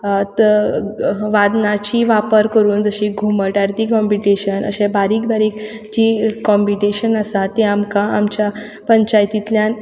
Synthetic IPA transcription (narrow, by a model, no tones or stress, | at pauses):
t̪ | ʋad̪nat͡ɕiʋapəɾkəɾuːnd͡zəɕiɡʱuməʈaɾt̪ikɔmpiʈeɕənʔə̰ɕẽbaɾiːk̚baɾiːk | d͡ʑikːɔmpiʈeɕənasat̪ːeamkaːmt͡ɕja | pəɲt͡ɕajt̪it̪ljan